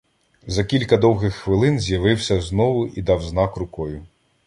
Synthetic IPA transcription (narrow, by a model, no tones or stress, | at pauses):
zɐkʲilʲkɐd̪ɔwɦɪxːʋɪlˠɪnzʲjɐʋɪwsʲɐznɔʋʊʔid̪ɑwznɑkrʊkɔjʊ